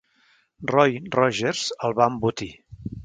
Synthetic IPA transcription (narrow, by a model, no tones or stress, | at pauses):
rɔjrɔʒeɾz̥əlˠβambut̪i